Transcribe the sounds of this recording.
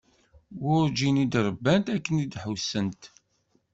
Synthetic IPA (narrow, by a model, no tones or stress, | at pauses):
wʊɾd͡ʒinid̪ɾˤəbːænt̪ækːənid̪ħəwsːənt̪